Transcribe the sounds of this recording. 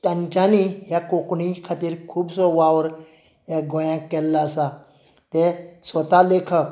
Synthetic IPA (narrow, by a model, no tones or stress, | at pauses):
t̪ɐnt͡ʃaːnijakoknikʰat̪iɾkʰuːbsoʋawəɾ | jaɡojãkelːasa | t̪eswɐt̪alekʰək